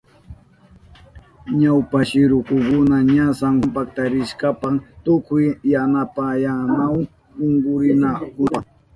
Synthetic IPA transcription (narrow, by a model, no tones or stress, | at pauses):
ɲawpaʃɪɾʊkʊkʊnaɲasampakt̪aɾɪʃkapat̪ʊkʊjːanapajanaw | ʊŋɡʊɾɪnakʊpɑ